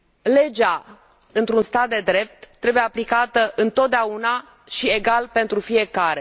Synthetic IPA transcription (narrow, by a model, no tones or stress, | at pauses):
le̞d͡ʒa | ɨnt̪ɾunst̪at̪̚d̪e̞d̪ɾe̞p̚t̪ːɾe̞bujeaplikat̪əʔɨnt̪o̞t̪̚d̪eauna | ʃie̞ɡalpe̞nt̪ɾufie̞kaɾe̞